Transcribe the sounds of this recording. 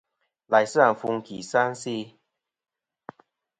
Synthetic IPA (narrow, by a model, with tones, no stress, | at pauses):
la˨˩˦jsŋfu˧ŋkʰi˨˩sa˥nsi˥˧